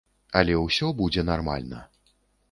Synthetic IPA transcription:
ɐlʲɛwsʲɔbud͡zʲɛnarma̰lʲnɐ̰

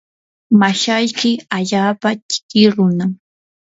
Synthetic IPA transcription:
maʃajkɪaʎaːpat͡ʃɪ̥kɪɾʊnaŋ

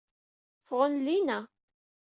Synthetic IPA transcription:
fʁənlinæ

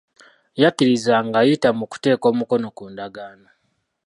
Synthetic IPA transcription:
japiɾizaŋɡajitamuku̥te̞ːko̞ːmuko̞no̞kuːndaɡaːno

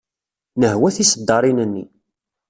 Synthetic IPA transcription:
nəɦwæθisəd̪ːɑɾˤinənːḭ

